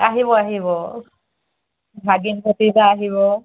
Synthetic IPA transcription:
aɦibɔaɦiβɔ | bʱaɡinpʰotizaːɦiβɔ

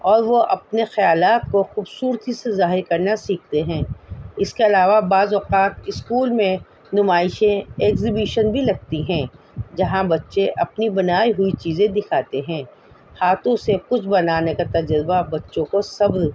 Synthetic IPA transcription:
ɔːɾʋoʔɐp̚nexɐjaːlaːt̪̚koxuːbsuːɾt̪isezaːɦɪɾkɐɾnasiːk̚ʰt̪eɦɛ̃ːɪskeɐlaːʋabaːzʋɐqaːt̪ɪskuːlmẽ | nʊmaːɪʃẽɛːkzibiːʃənbʱilɐɡ̚t̪iɦɛ̃ː | d͡ʒɐɦãbɐtːʃẽʔɐpnibɐnaːiɦʊit͡ʃiːzẽd̪ɪkʰaːt̪eɦɛ̃ː | haːt̪õsekʊt͡ʃʰbɐnaːnekat̪ɐd͡ʒəɾbabɐtːʃõkosɐbɾ

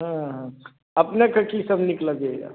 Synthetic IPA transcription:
ɦãɦ | əpnekəkisəbʱnikləɡea̰

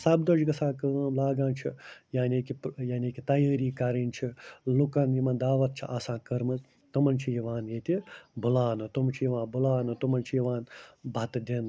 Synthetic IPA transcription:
sɐbd̪od͡ʒɡɐsãːkəːmlaːɡãːnt͡ʃʰḭjaːnʲiːkijaːnʲikit̪ɐjəːɾiːkɐɾinʲt͡ʃʰilukɐnjimɐnd̪aːʋɐt̪̚t͡ʃʰiʔaːsãːkɐɾmɨ | t̪ɐmɐnʲt͡ʃʰijiʋãːnjeːt̪ʲibulaːnɨt̪umt͡ʃʰijiʋãːnbulaːnut̪umɐnʲt͡ʃʰijiʋaːnbʱɐt̪d̪ʲin

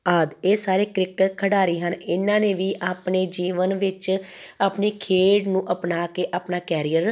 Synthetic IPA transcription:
aːd̪eːsaːɾeːkɾɪkʈkʰəɽaːɾiːɦənɪnːãːneːʋiːʔaːpɳeːd͡ʒiːʋənʋɪt͡ʃaːpneːkʰeːɖnũːʔəpnaːkeːʔaːpnaːkɛːɾiːəɾ

